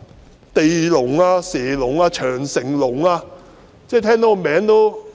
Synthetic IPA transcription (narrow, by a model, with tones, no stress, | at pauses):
t̪e˨jlʊ˨˩ŋaː˧sɛː˨˩lʊ˨˩ŋaː˧t͡ʃʰœː˨˩ŋsɪ˨˩ŋlʊ˨˩ŋaː˧ | t͡sɛː˥˧t̪ʰɛː˥ŋt̪o˨˥kːmɛː˨˥ŋt̪o˥w